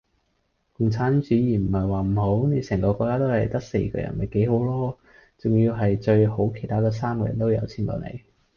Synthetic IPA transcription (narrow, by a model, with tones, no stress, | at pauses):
kʊ˨ŋt͡sʰaː˨˥nt͡ʃyː˨˥jiː˨˩m̩˨˩hɐ˨jwaː˨m̩˨˩ho˨˥wne˨˧˥sɛː˨˩ŋkɔː˧kɔː˧kːaː˥t̪o˥whɐ˨˩jt̪ɐ˥k̚sḛ˧jkɔ̰ː˧jɐ̰˨˩nmɐ˨jke˨˥jho˨˧˥wlɔː˥ | t͡sʊ˨ŋjiː˧wɦɐ˨jt͡ʃɵ˧ɥho˨˥wkʰe˨˩jt̪ʰaː˥kɔː˧˥s̬aː˥mkɔː˧jɐ̰˨˩nt̪o˥wjɐ˨˧wt͡sʰiː˧˥nt̪ɔ̰ː˨˧˩nḛ˨˧˦j